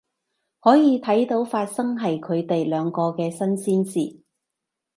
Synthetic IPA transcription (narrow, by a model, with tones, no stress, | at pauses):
hɔː˨˥jiː˨˧t̪ʰɐ˨˥jt̪o˨˥wfaː˧t̚sɐ˥ŋɦɐ˨jkʰɵ˨˧ɥt̪e˨jlœː˨˧ŋkɔː˧kɛː˧sɐ˥nsiː˥nsiː˨